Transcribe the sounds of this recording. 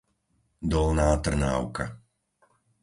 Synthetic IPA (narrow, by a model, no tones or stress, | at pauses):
d̪ɔlnaːt̪r̩na̰ːʊka̰